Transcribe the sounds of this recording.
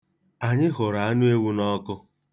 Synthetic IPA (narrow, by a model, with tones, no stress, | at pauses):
a˨ɲɪ˦ɦʊ˨ɾa˨a˦nʊ˦e˦wu˦nɔ˦kʊ˦